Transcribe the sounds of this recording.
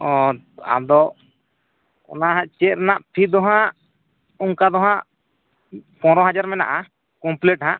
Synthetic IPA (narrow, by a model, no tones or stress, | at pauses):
ɔ | a̰d̪ɔʔ | ɔ̰naɦãʔt͡ʃɛt̪ɾɛnaʔpʰid̪ɔɦãʔ | uŋkad̪ɔɦãʔ | pɔ̃ɾɔ̃ɦad͡ʒaɾmɛna̰ʔa | kɔmplɛʈɦãʔ